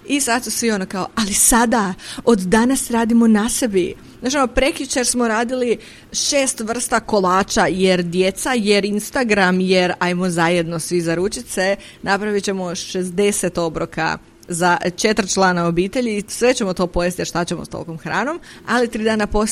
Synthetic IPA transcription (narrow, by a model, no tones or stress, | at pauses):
isad̪susʋio̞nokao̰alisad̪aod̪ːanasɾaːd̪imo̞nase̞bi | at͡ʃionopɾe̞kut͡ʃaɾsmo̞ɾaːd̪ili | ʃe̞ːst̪ʋr̩st̪ako̞lˠaːt͡ʃajeɾd̪je̞t̪sajeɾinst̪aɡɾamjeɾajmozaje̞d̪no̞sʋizaɾut͡ʃit̪se̞ | napɾaʋit͡ɕe̞mo̞ʃezd̪e̞set̪o̞bɾoka̰ | zat͡ʃe̞t̪ɾ̩t͡ʃlˠaːnao̞biːt̪e̞ʎisʋe̞t͡ɕe̞mo̞t̪o̞ːpo̞jest̪jeɾʃt̪at͡ɕemost̪o̰lkomxɾa̰ːno̞m | a̰lit̪ɾiːd̪aːnapo̞